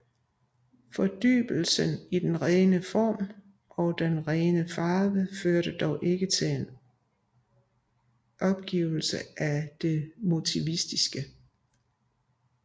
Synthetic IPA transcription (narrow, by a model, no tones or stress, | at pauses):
fɒ̽d̥y̰ːb̥l̩sənid̥enʁɛːnəfɒ̰ːm | ʔɒ̽d̥enʁɛːnəfɑ̈ːʋəføɐɾ̥əd̥ɒʊʔe̝ɡ̥ət͡sʰe̝en | ʔɒ̽b̥̚ɡ̥ḭːʊl̩sə̰ʔæd̥e̝mo̝t͡sʰiʋisd̥isɡ̥ə